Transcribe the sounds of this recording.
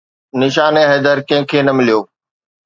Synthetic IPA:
nɪʃ̬aːneɦeːd̪əɾkɐ̃ɦɪ̃kʰeːnɐmɪlijoː

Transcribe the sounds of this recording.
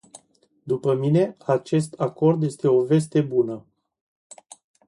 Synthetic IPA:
d̪upəmine̞at͡ʃe̞st̪ako̞rd̪je̞st̪e̞o̞ve̞s̬t̪e̞bunə

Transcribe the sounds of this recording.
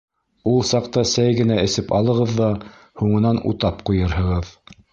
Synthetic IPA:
ulˠsɑq̚t̪ɑsæjɡɘ̆næɘ̆sɘpɑlˠɤ̆ʁɤðːɑ | huɴɤ̆nɑnṵt̪ɑpqujɤɾɦɤ̆ʁɤð

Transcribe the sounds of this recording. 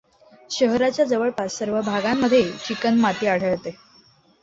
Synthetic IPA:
ɕəɦɾat͡ɕjad͡zəʋəɭpassəɾʋəbʱaɡamːəd̪ʱjet͡ɕikənmat̪iːaɽ̤əɭt̪e

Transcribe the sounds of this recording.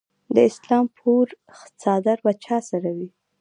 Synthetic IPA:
d̪əɪslɑmpʰuɾ | xt͡sɑd̪aɾbat͡ʃʰɑsaɾawi

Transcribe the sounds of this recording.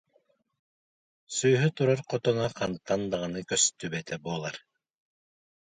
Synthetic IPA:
syjɦyt̪uɾaɾqɔt̪ɔnaqʰant̪ːand̪aʁanɯkœst̪yβɛt̪ɛbuɔlˠaɾ

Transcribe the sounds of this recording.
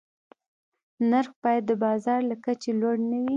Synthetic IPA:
naɾxbɑjad̪ːəbɑzɑɾlakat͡ʃelwoɽnawi

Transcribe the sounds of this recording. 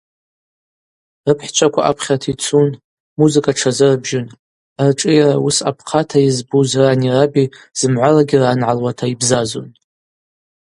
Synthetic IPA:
rɨpʰħt͡ʃʷʰʼakʷaʔa̰pʰχʲatʰit͡sʰun | muzɨkʼaʈ͡ʂʰazɨrbʒɪn | arʈ͡ʂʼijarausa̰pʰqʰatʰaizbuzranirabi | z̥ɨmʕʷalaɡʲɪranʕalwatʰaibzazo̰n

